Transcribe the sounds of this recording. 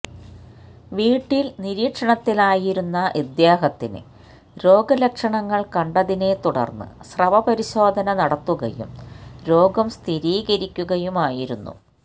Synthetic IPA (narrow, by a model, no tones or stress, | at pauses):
ʋiːʈːilniɾiːkʂɐɳɐt̪ːilaːjiɾunːɐʔid̪jaːɦɐt̪ːinɨ̰ | ɾo̞ːɡɐlekʂɐɳɐŋːɐɭkɐɳɖɐðine̞t̪uɽɐ̰rnːɨ̰srɐʋɐpɐɾiɕo̞ːd̪ʱɐnɐnɐɽɐt̪ːuɣɐ̰jṵmɾo̞ːɡɐmst̪ʰiɾiːɣɐɾikʲːuɣɐjumaːjiɾunːṵ